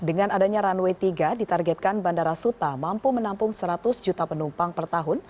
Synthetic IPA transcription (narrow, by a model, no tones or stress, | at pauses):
dəŋanadaɲaɾanwɛt̪iɡadit̪arɡɛt̪̚kanbandaɾasut̪amampumənampʊŋsəɾat̪ʊsd͡ʒut̪apənumpaŋpərt̪aɦʊn